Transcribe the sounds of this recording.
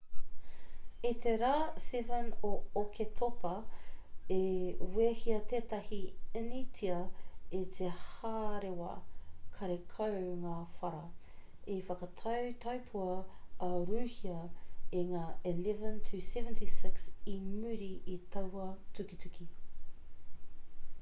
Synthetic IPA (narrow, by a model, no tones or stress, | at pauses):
it̪ʰeɾaːsɛvənookʰetʰopɐ | ewehiɐtʰeːtɐhiənitʰiɐetʰehaːɾewɐ̰kʰɐɾekʰɐwŋaːfɐɾɐ | efɐkɐtʰɐwtʰɐwpʰuɐː | ɾʉːhiɐeŋaːelɛvə̃ntʰʉsɛvəntʰisɪksimʉɾiitʰɐwɐtʉkitʉkʰi